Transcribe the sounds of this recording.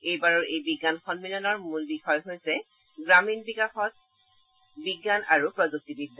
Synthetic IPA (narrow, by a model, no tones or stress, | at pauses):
ejbaɹɔɹʔejbiɡːanxɔnmilɔnɔɹmulbixɔjɦojsɛ | ɡɹaminbikaxɔt̚ | biɡːanaɹupɹɔzok̚tibidːa